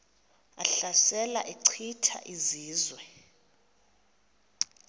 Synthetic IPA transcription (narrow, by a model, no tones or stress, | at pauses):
a̰ɬasɛla̰ʔiǀʰitʰa̰ʔiziːzwɛ